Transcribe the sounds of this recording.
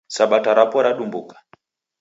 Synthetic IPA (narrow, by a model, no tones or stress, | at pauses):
saɓataɾapɔɾaɗumbukḁ